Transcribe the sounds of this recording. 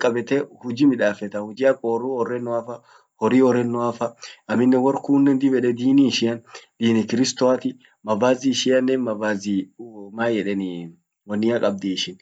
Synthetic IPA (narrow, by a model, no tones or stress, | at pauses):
kʼɐbɛt̪ɛhʊd͡ʒimɪᶑaːfɛt̪ɐhʊd͡ʒɪɐkʼoːruɔrːɛnːʊafɐ | hɔɾiːɔɾɛnːʊafɐɐmɪnːɛwɔɾkuːnːɛnd̪ɪbɛᶑɛd̪iːniʃɪɐnd̪̥iːnɪkɪɾɪst̪ɔat̪ɪ | mɐbaːzɪʃɪɐnːɛnmɐbaːzimaːjɛᶑɛnɪ | wɐnːɪɐkʼɐb̚d̪iːʃɪn